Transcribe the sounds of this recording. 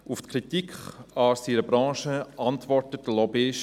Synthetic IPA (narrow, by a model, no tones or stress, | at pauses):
uftkʰɾitikχɑsiɾəbɾɑ̃ːʃəʔɑntʋɔɾtət̚d̥əlɔbɪʃ